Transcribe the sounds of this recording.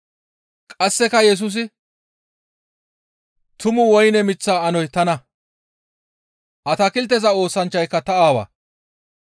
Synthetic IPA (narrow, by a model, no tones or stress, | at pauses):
kʼɐsːɛkɐjɛs̬ʊs̬ɪ | t̪ʊmʊwɔjnɛmɪt͡sːaːɐnɔjt̪ɐnɐ | ʔɐt̪ɐkɪlt̪̬ːɛzɐo̞ːsɐnt͡ʃːɐjkːɐt̪ɐʔaːwɐ̰ː